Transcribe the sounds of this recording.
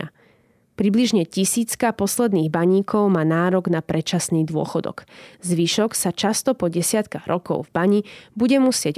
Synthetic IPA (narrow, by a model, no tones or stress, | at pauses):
a | pɾibliʒɲɛcisiːt͡skapɔslɛd̪niːɣbaɲiːkʰɔʊmaːnaːɾɔɡnapɾɛt͡ʃasniːd̪ʊɔ̰xɔd̪ɔ̰kzʋiʃɔksat͡ʃast̪ɔpɔɟɛsɪat̪kaɣɾɔkɔ̰ʊvbaɲibuɟɛmusɪɛɟ